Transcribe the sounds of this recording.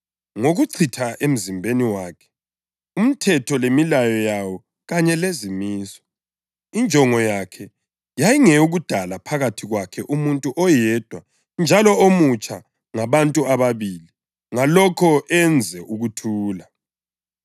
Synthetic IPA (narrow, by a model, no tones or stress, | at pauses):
ŋoɣuǀʰitʰaʔem̩zimbʱeniwaːkʰɛ̥ | um̩tʰɛtʰɔlemilajɔjawɔ | ɣaɲɛlezimiːsɔ̥ | ind͡ʒʱɔŋɔjakʰɛ | jajiŋɛuɣud̥ʱalapʰaɣatʰiɣwakʰɛʔumuntʼuʔɔjɛd̥ʱwa | nd͡ʒʱalɔomut͡ʃʼa | ŋaβantʼuaβaβili | ŋalɔkʰɔɛnd͡zʱɛʔuɣutʰuːla